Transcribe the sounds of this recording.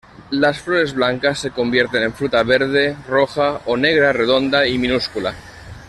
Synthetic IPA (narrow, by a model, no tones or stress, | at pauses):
lasfloɾe̞zβlaŋkasːe̞ko̞mbjeɾt̪enẽ̞ɱfɾut̪aβeɾð̞e̞roxaoneɣ̞ɾare̞ðo̞nd̪aimĩnuskula̰